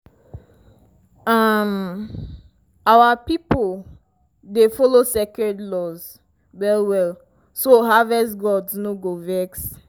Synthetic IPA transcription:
am | awapipol | defɔlosɛkɛdlɔz | wɛɹiwɛl | soɦavɛsɡɔdsnoɡovɛks

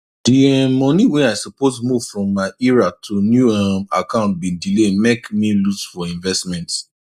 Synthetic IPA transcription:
d̥iɛmɔ̃niwɛ̃naɪsɔposmuv̥fɹɔ̃mːaɪiɹatʰunjuamakʰãʊ̃nt̚bĩndilemekmiluzfɔĩnvɛstmɛ̃nts

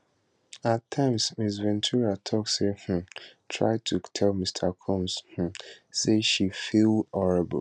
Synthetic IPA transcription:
atʰːãɪ̃msmis̬vɛ̃ntʰuɹatʰɔkseh̩tʰɹa̰ɪtʰutʰɛlmistʰəkʰɔ̃msh̩seʃifilɔɹɪb̰l

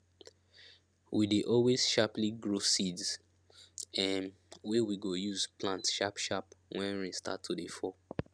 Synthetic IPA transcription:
wideʔɔlwez̥ʃapliɡɹosidz | ɛm | wewiɡojuzplãntʃapʃapwʔɛ̃nɹĩstʰa̰tʰːudefɔ

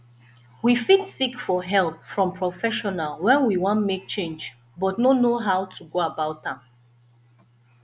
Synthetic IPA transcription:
wifitsikfɔɦɛlˠpfɹɔ̃mpʰɹɔfɛʃɔnalwɛ̃nwiwɔ̃ntmek̚t͡ʃẽnd͡ʒ | bɔtnonoɦaʊtʰuɡoabaʊtãm

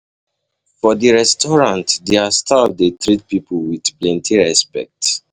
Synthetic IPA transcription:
fɔdiɹɛstɔɹãntdeastadetɹit̚pipolwidplɛ̃ntʰiɹɛspɛ̰k̚t

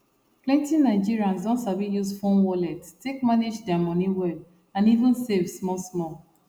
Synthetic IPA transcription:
plɛ̃ntĩnːaɪd͡ʒiɹiãnsdɔ̃nsablijusfõnwɔlɛttekmaned͡ʒdɛamɔ̃niwɛl | ãnivə̃nsevsmɔlsmɔl

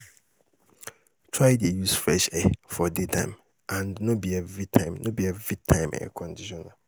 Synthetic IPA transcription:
tʰɹaɪdejusflɛʃɛfɔditʰã̰ɪ̃m | ʔãnnõbiɛvɾitʰãɪ̃mnõbiɛvɾitʰãɪ̃mɛ̰kʰɔ̃ndiʃɔ̃nã

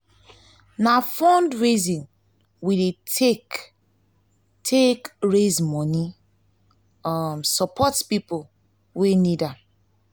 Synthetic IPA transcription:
nafɔ̃ndɹezĩn | widetek | tʰekɹezmɔni | ɔmsɔpʰɔtpipol | wenidam

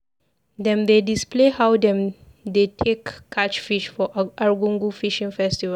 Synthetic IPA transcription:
d̪ɛ̃md̪edisplehawd̪ɛ̃m | d̪etʰekʰːat͡ʃfiʃfɔʔaɹɡũŋɡufiʃĩŋfɛstiva

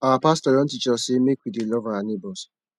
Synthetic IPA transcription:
awapastɔɾɔ̃n̩tit͡ʃɔsemekʷidelɔvaanebɔs

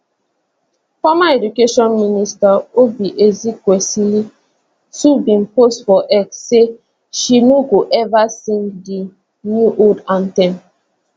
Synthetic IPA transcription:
fɔmaedukeʃɔ̃nministaobiʔezikwɛsili | tubĩnpostfɔʔɛkse | ʃinoɡoʔɛvasĩŋɡdi | njuʔodãntɛ̃n

